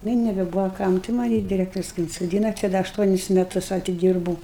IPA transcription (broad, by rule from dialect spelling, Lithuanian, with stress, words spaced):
ˈnʊ ɪ nʲɛbʲɛˈbuːʋoː ˈkɐm tɐɪ ˈmɑːnʲɪ dʲɪˈrʲæːktoːrʲʊs kɐɪ ɪnsoːˈdʲiːnɐ t͡ʃʲɛ ˈdɐ ɐʃˈtuɔnʲɪs mʲɛˈtʊs ɐtʲɪˈdʲiːrbuːʊ